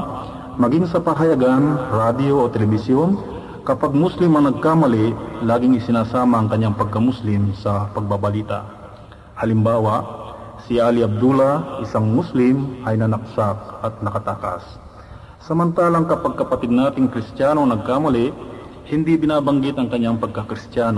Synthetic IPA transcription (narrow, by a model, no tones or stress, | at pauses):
mɐɡiŋsɐpaɦɐjɐɡanɾad̪jo̞ʔot̪ɛlɛbɪsjon | kɐpaɡ̚muslɪmɐŋnɐɡ̚kaːmɐlɛʔlaːɡɪŋɪsɪnaːsaːmɐʔɐŋkɐɲːaŋpɐɡ̚kɐmuslɪmsɐpɐɡ̚babɐliːt̪a̰ʔ | hɐlɪmbaːwɐʔsɪʔaliʔɐb̚d̪ulɐʔɪsaŋmuslɪmʔɐjnɐnɐk̚sak̚ʔɐt̪̚nɐkɐt̪aːkɐ̰sː | ɐmɐnt̪aːlɐŋkɐpɐɡ̚kɐpɐt̪ɪd̪̚naːt̪ɪŋkɾɪst̪jaːnoŋnɐɡ̚kamɐlɛʔ | hɪnd̪ibɪnaːbɐŋɡɪt̪ɐŋkɐɲːaŋpɐɡ̚kɐkɾɪst̪jaːno